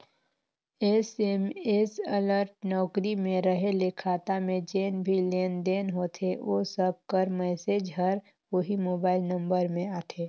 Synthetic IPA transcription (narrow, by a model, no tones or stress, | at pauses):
esemeːsələɾʈnɔːkɾimẽɾəɦelekʰaːt̪amẽd͡ʒeːnbʱileːnd̪eːnɦoːt̪ʰeʋosəb̚kəɾmɛːseːd͡ʒɦəɾ | ʋoɦimoːbaːɪlnə̃mbəɾmẽaːʈʰeː